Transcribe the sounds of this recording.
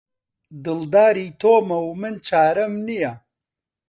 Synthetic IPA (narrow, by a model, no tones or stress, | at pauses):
d̪ɨld̪aːɾit̪ʰoːmɐwmɨnt͡ʃaːɾɐmnija